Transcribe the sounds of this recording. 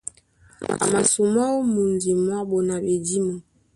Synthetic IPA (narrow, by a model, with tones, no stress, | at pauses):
a̰˨ma˨su˨ma˦o˦mu˨nzi˨mwa˦bo˨na˨be˨di˦mo˨